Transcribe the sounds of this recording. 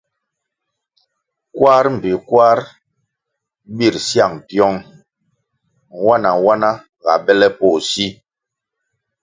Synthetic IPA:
kwa˦ɾm̩˨pi˨kwa˦ɾ | bi˦˨ɾsja˦˨ŋpjɔ˦ŋ˦ | wa˦na˨wa˦na˦ | ɣa̰˨bɛ˦lɛ˦pɔ˦˨si˦

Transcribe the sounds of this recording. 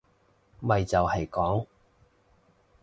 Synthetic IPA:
mɐ˨jt͡sɐ˨whɐ˨jkɔː˨˥ŋ

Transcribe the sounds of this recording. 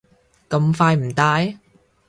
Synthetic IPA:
kɐ˧mfaː˧jm̩˨˩t̪aː˧j

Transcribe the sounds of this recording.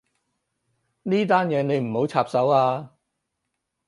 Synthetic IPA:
niː˥t̪aː˥njɛː˨˧˥ne˨˧jm̩˨˩ho˨˥wt͡sʰaː˧p̚sɐ˨˥waː˧

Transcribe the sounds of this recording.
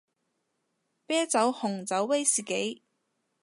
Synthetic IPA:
pɛː˥t͡sɐ˨˥whʊ˨˩ŋt͡sɐ˨˥wːe˥jsiː˨˩ke˨˥j

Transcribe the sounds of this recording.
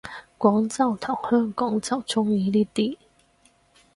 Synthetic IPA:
kwɔː˨˥ŋt͡sɐ˥˩wt̪ʰɔ˨˩ŋhœː˥ŋkɔː˨˥ŋt͡sɐ˥˧wt͡sʊ˥ŋiː˨˥liː˥˩t̪iː˥˩

